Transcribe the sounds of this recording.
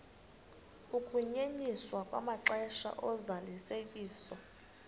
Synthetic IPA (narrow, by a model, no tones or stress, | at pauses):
ukʰʼuɲeniswakʼwa̰maǁɛʃa̰ʔɔzalisekʼiːsɔ